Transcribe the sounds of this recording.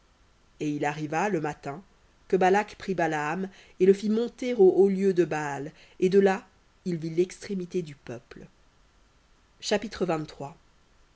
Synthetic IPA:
eilaʁivaləmat̪ɛ̃ | kəbalakpχibalaːm | eləfimɔ̃t̪eʁooljød̪əbal | ed̪əla | ilvilɛkst̪χemit̪ed̪ypœpl | ʃapit̪χəvɛ̃t̪ːχwa

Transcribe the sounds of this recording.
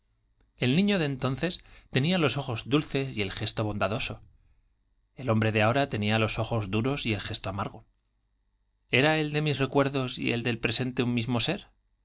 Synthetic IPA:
e̞lnĩɲo̞ðeːnt̪o̞nθe̞st̪e̞nialo̞so̞xo̞zðulθe̞sie̞lxe̞st̪o̞β̞õ̞nd̪aðo̞so̞ | e̞lõ̞mbɾe̞ðeao̞ɾat̪e̞nialo̞so̞xo̞zðuɾo̞sie̞lxe̞st̪oamaɾɣ̞o̞ | e̞ɾae̞ld̪e̞misrekwe̞ɾðo̞sḭḛld̪e̞lpɾe̞se̞nt̪eummizmo̞se̞ɾ

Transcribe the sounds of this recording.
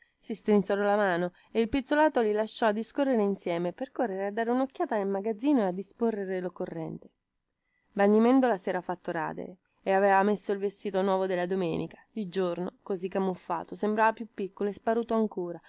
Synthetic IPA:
sist̪ɾinsoɾɔlamaːno | eilpit̪solaːt̪olilaʃːɔad̪ːiskorːeɾeinsjɛːmeperkorːeɾead̪ːaːɾeunokːjaːt̪anelmaɡad̪zːiːnoead̪ːisporːeɾelokːorːɛnt̪e̥ | banːimɛnd̪olasɛːɾafat̪ːoɾa̰ːd̪ḛɾeː | avɛːvamesːoilvest̪iːt̪onwɔːvod̪elːad̪omɛːnikḁild͡ʒornokozikːamːufːa̰ːt̪osembɾaːvapjupːikːoloespaɾuːt̪oaŋkuːɾa

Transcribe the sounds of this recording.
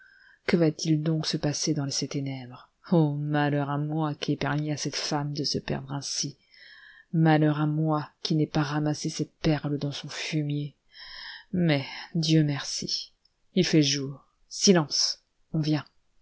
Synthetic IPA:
kəvat̪ʰild̪ɔ̃ksəpased̪ɑ̃leset̪enɛbʁ | omalœʁamwakʲiɛpaʁmiasɛt̪famd̪əsəpɛ̰ʁd̪ʁɛ̃si | malœʁamwakʲinɛpaʁamasesɛt̪̚pɛʁləd̪ɑ̃sɔ̃fymje | mɛd̪jømɛʁsi | ilfɛʒuːʁ | silɑ̃s | ɔ̃vjɛ̃

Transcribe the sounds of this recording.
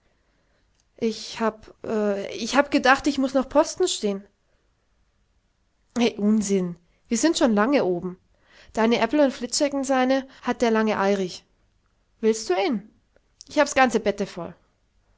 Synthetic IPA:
ʔɪçhaːpʔɛːɪçhaːbəɡədaχtɪçmʊsnɔχpʰɔstn̩ʃteːən | ʔɛɪʔʊnzɪn | viːɐzɪntʃoːnlaŋəʔoːbm̩ | d̥aɪnəʔɛpl̩ʊntflɪtʃɛkɪnzaɪnəhat̚d̥eːɐlaŋəʔaɪʁɪç | vɪlst̚d̥uːiːn | ʔɪçhaːbəsɡ̥ant͡səbɛtəfɔl

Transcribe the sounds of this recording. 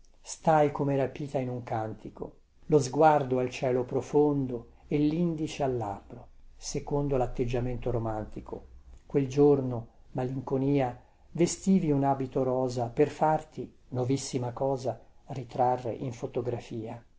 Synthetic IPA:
st̪ajkomeɾapiːt̪ainuŋkant̪iko̰ | lozɡward̪oalt͡ʃɛːlopɾofond̪o | elːind̪it͡ʃealːabɾosekond̪olat̪ːed͡ʒːament̪oɾomant̪ikʰo̰kweld͡ʒorno | maliŋkoniːa | vest̪iːviunaːbit̪oɾɔːzaperfart̪i | novisːimakɔːzarit̪ɾarːḛʔiɱfot̪oɡɾafiːa

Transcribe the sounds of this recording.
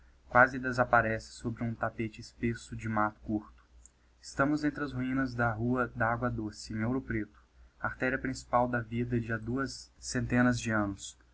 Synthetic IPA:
kwazɪd̪ezapaɾɛsɪ̥sobɾɪũt̪apet͡ʃɪːspesʊd͡ʒɪmat̪ʊ̥kuɾt̪ʊ̥ | ɪst̪ɐ̃mʊzẽnt̪ɾɪɐzhuĩnɐzd̪ɐɦuɐd̪ɐaɡwɐd̪osɪẽŋewɾʊpɾet̪ʊ̥aɾt̪ɛɾiɐpɾĩsi̥pawd̪ɐvid̪ɐd͡ʒiad̪uɐsːẽnt̪ẽnɐzd͡ʒɪɐ̃nʊs

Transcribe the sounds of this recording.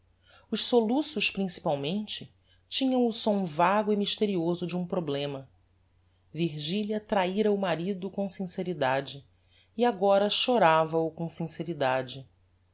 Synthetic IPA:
ʊʃsolusʊʃpɾĩsi̥pawmẽnt͡ʃɪ | t͡ʃĩɲɐ̃w̃ʊsõw̃vaɡʊimiʃt̪eɾiozʊd͡ʒɪũpɾoblẽmɐ | viɾʒiljɐt̪ɾaiɾɐumaɾid̪ʊkõsĩseɾid̪ad͡ʒɪ | iaɡɔɾɐʃoɾavɐʊkõsĩseɾid̪ad͡ʒɪ

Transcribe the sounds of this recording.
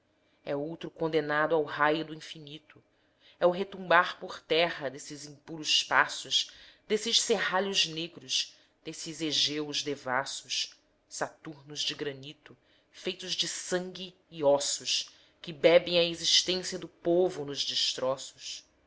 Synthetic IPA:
ɛowt̪ɾʊkõnd̪enad̪ʊawɦajʊd̪ʊĩfinit̪ʊ | ɛʊɦet̪ũmbaɾpʊχt̪ɛɦɐd̪esɪzĩpuɾʊspasʊʃd̪esɪʃsehaʎʊzneɡɾʊʃ | d̪̥esɪzeʒewzd̪evasʊʃ | sat̪uɾnʊzd͡ʒɪɡɾɐ̃nit̪ʊ | fejt̪ʊʒd͡ʒɪsɐ̃ŋɡʲɪː | ɔsʊʃ | kɪbɛbẽj̃ɐeziʃt̪ẽsiɐd̪ʊpovʊnʊʒd͡ʒɪʃt̪ɾɔsʊ̥s

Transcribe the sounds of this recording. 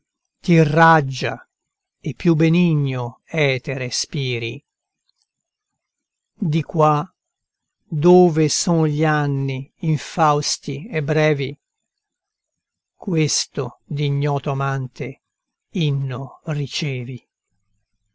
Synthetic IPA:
t̪irad͡ʒːa̰ | epːjubeniɲːoɛːt̪eɾespiːɾḭ | d̪ikwa | d̪oːvesɔːnʎianːiːɱfawst̪iebːɾɛːvi | kwest̪od̪iɲːɔːt̪oamant̪e | inːorit͡ʃɛːvi

